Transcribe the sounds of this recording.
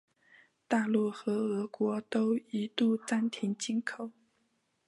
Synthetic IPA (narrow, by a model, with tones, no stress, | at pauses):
t̪a˥˧lu˥˩xɤ˧˥ɤ˧˥kwɔ˧˥t̪o˥ʊi˧˥t̪u˥˩t͡sa˥˩nt̪ʰi˧˥ŋt͡ɕi˥nkʰo˨˩˦ʊ